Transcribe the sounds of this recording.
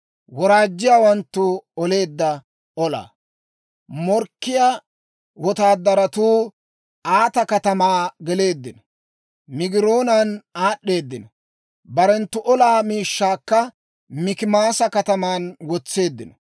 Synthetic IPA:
wɔɾaːd͡ʒːɪjaːwɐnt̪ːʊɔle̞ːd̪ːɐ | ɔla̰ː | mɔɾkːɪjaː | wɔt̪aːd̪ːɐɾɐt̪uː | aːt̪ɐkɐt̪ɐmaːɡɛle̞ːd̪ːɪnɔ | mɪɡɪɾoːnanaːɗːe̞ːd̪ːɪnɔ | bɐɾɛnt̪ːʊʔɔlaːmiːʃːaːkːɐ | mɪkɪmaːsɐkɐt̪ɐmaːnwɔt͡sːe̞ːd̪ːɪnɔ

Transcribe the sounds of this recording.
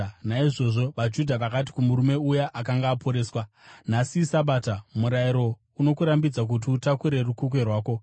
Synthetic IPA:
naiʐo̞ʐo̞ʋad͡ʒudʱaʋakat̬i̥kumuɾume̞ujaʔakaŋɡaːpʰo̞ɾe̞ːswa | nasisaɓaːtamuɾaiɾo̞ | uno̞kuɾambid͡zak̬ut̬iutakuɾe̞rukukwe̞rwaːko̞

